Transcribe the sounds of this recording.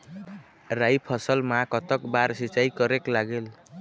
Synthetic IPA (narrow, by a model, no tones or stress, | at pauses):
rajpʰʌsʌlmakʌt̪ʌkbaɾsit͡ʃajkʌɾeklaɡel